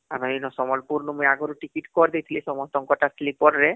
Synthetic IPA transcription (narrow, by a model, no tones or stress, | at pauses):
amainɔsɔmɔlpuɾnumeaɡoɾuʈikiʈkɔɾd̪it̪ʰilisɔmɔst̪ɔŋkɔʈaslipɔɾɾe